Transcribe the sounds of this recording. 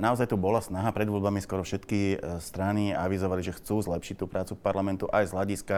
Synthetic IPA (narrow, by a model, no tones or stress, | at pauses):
naɔzajt̪ubɔlasnaɦapɾɛd̪ʋɔlbamiskɔɾɔfʃɛt̪kist̪ɾaniaʋizɔʋaliʒɛxt͡suːzlɛpʃi̥c̚t̪ːuːpɾaːt͡sufpaɾlamɛnt̪uʔajzɦlaɟiska